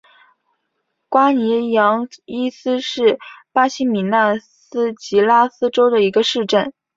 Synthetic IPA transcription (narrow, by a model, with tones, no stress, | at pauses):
kwa˥ni˧˥jɑ˧˥ŋi˥sɹ̩˥ʂɻ̩˥˩pa˥ɕi˥mi˨˩na˥˩ | s̩˥t͡ɕi˧˥la˥sɹ̩˥ʈ͡ʂo˥ʊd̪ə˨i˧˥ɡə˧ʂɻ̩˥˧ʈ͡ʂə˥˩n